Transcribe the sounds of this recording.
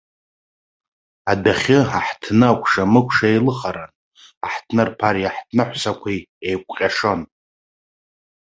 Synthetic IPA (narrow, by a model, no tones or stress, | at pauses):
adaχʲɪaħtʰnɨakʷʰʂamɨkʷʂajlɨχaɾan | aħtʰnɨrpʰarjaħtʰnɨħʷsakʷʰej | ejkʷʰʼqʲʼaʂon